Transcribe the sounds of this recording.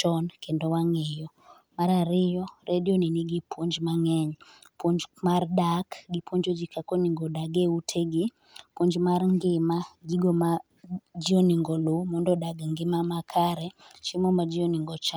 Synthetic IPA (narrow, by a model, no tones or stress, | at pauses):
t͡ʃɔnkʰendɔwaŋɛjɔ | maɾaɾɪjɔrʔedjoniniɡipʰwoɲd͡ʒmaŋɛɲ | pʰwoɲd͡ʒmardakɡipoɲd͡ʒod͡ʒikʰakoniŋɡodaɡeutʰeɡi | pwoɲd͡ʒmarŋɡɪmaɡiɡoma | d͡ʒiɔniŋɡɔlumɔndɔdaɡŋɡɪmamakʰaɾɛt͡ʃimɔmad͡ʒɪjoniŋɡɔt͡ʃa